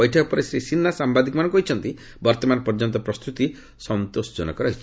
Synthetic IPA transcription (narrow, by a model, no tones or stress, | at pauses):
ɔjʈʰɔkɔpɔɾisɾisinːasambad̪ikɔmanɔ̃ŋkuɦit͡ʃʰɔnt̪i | bɔɾt̪ɔmanpɔɾd͡ʒɔnt̪ɔpɾɔst̪ut̪i | sɔnt̪osd͡ʒɔnɔ̰kɔɾɦi